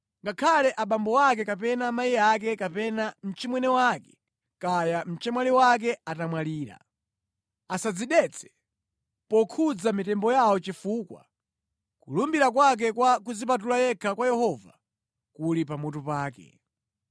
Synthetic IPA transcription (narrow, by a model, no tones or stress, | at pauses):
ŋɡakʰalɛʔaɓambɔwak̬ɛkapɛnamajiak̬ɛkapɛnam̩t͡ʃimwɛnɛwakɛ̥ | kajam̩t͡ʃɛmwaliwak̬ɛatamwaliːɾa̰ | asad͡ziɗɛt͡sʰɛ̥ | pɔkʰud͡zamitɛmbɔjawɔt͡ʃifukwa̰ | kulumbiɾak̬wak̬ɛkwak̬uzip̬at̬ulajɛkʰakwajɛhɔva̰ | kulipamutupaːkɛ̰